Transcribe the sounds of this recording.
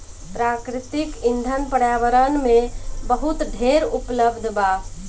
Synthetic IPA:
pɾaːkɾɪt̪ɪkɪ̃nd̪ʱənpəɽjaːʋəɾənmẽbəɦut̪ɖʱeːɾʊpləbd̪ʱbaː

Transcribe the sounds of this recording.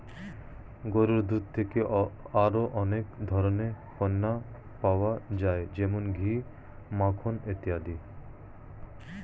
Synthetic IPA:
ɡoɾoɾd̪ɾud̪̚t̪ʰeke | aɾoʔɔnekd̪ʱɔɾone | pɔnːa | pawad͡ʒaed͡ʑɛmonɡʱi | makʰonet̪iad̪i

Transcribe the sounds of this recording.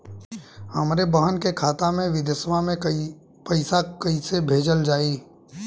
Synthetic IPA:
həmɾebəɦənkekʰaːt̪amẽʋɪd̪əsmamẽ | pɐɪsakɐisebʱeːd͡ʒəld͡ʒaːiː

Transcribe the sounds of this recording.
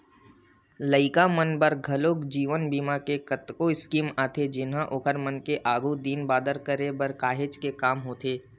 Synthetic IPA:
ləɪkamənbəɾɡʱɐloːkd͡ʒiːʋənbiːmakekət̪koɪskiːmaːt̪ʰed͡ʒɪnɦãʔʊkʰəɾmənkeʔaːɡud̪iːnbaːd̪əɾkəɾebɐɾkaːɦeːt͡ʃkekaːmɦoːt̪ʰeː

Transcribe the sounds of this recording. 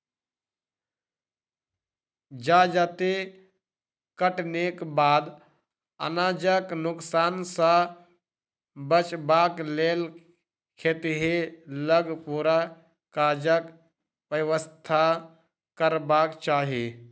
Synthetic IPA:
d͡ʒad͡ʒat̪e | kəʈnekbaːd̪ | ə̰nad͡ʒəknʊksaːnsə̃ | bət͡ʃbaklel | kʰet̪ɦeləɡpuɾa | kad͡ʒək | ʋəwəst̪ʰa | kəɾbaːkt͡ʃaːɦi

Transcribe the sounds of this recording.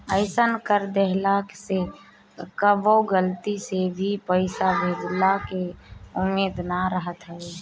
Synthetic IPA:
əɪsənkəɾd̪eɦlakse | kəboɡəlt̪isebʱipəɪsabʱed̪lakeʊmeːd̪naɾəɦət̪ɦɛe

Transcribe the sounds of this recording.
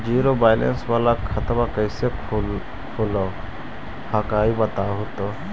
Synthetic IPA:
d͡ʒiːɾobaːjlḛnsʋaːlakʰət̪makəjsek | kʰulo | hakaːibət̪aːɦut̪o

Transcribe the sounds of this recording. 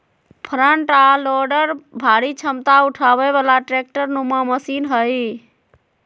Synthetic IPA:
pʰɾəɳʈaloɖəɾbʱaɾit͡ʃʰəmt̪auʈʰabɛβalaʈɾek̚ʈəɾnumaməsinɦəj

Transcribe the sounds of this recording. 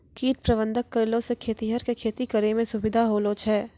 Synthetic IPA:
kiːʈ̚pɾɐbə̃nd̪ʱəkːɐɾlõsekʰeːt̪iɦəɾkekʰeːt̪ikɐɾemẽsʊbɪd̪ʱaɦoːlot͡ʃʰɛː

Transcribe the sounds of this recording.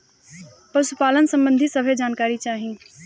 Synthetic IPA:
pɐɾsʊpaːlənsə̃mbə̃nd̪ʱisɐbʱed͡ʒaːnkaːɾit͡ʃaːɦĩː

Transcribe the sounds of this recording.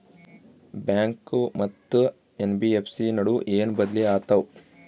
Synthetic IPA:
bjaːŋkumɐt̪ːu | enbiepʰsinɐɽuʔeːnbɐd̪liaːt̪ɐw

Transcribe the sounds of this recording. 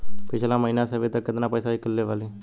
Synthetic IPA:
pit͡ʃʰelaməɦinasəʋet̪əkːət̪ənapəjsaikəlːeʋali

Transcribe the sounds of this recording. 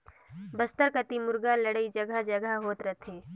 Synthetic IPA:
bəst̪əɾkət̪imʊɾɡaləɽəid͡ʒəɡad͡ʒəɡəɦoːt̪ɾət̪ʰẽː

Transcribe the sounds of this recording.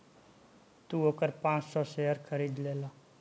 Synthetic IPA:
t̪uoːkəɾpãːt͡ʃsɔseəɾkʰəɾiːd̪leːlaː

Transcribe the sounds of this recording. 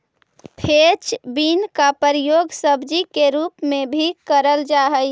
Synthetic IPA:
pʰet͡ʃbinkapəɾjoɡsəbʱd͡ʒikeɾupmebʱikəɾəld͡ʒaɦəj

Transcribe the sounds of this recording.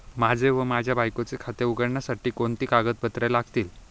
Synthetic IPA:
mad͡zʱeʋəmad͡ʑʱjabʱajkot͡sekʰat̪euɡəɽɳjasaʈiːkoɳt̪iːkaɡət̪̚bət̪ɾalaɡt̪iːl

